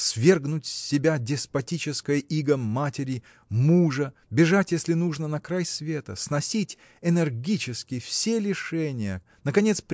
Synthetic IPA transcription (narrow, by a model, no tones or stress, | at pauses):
svʲe̞rɡnʊtʲssʲːɪbʲadʲɪspɐtʲit͡ɕɪskəjəʔiɡəmːatʲɪɾʲɪ | muʐə | bʲɪʐatʲjesʲlʲɪnuʐnənɐkɾajsʲvʲe̞t̪ə̰snɐsʲitʲ | ɛnʲɛrɡʲit͡ɕɪskʲɪfsʲelʲɪʂɛnʲɪjə̰ | nəkɐnʲe̞t̪spʲ